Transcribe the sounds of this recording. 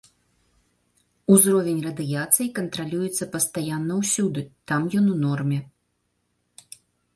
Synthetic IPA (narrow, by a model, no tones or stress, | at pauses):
uzɾɔvʲenʲrɐd̪ɨjat̪sɨjikɐnt̪ɾalʲujɛt̪sːɐpɐst̪ajanːɐwsʲud̪ɨt̪amjɔnunɔrmʲɛ